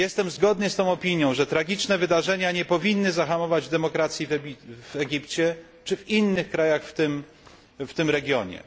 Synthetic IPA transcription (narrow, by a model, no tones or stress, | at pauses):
jɛst̪ɛmzɡɔd̪nɘst̪ɔ̃w̃ɔpʲiɲjɔ̃w̃ʐɛt̪ɾaɡʲit͡ʂnɛvɘd̪aʐɛɲaɲɛpɔvʲinːɘzaxamɔvad͡ʑd̪ɛmɔkɾat̪sʲjivɛivɛɡʲipt͡ɕɛ | t͡ʂɘvinːɘxkɾajaxft̪ɘm | ft̪ɘmɾɛɡʲjɔɲɛ̰